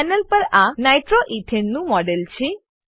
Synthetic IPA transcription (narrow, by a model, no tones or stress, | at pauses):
nəlpəɾanajʈɾoʔiʈʰenːũmɔɖelt͡ʃʰi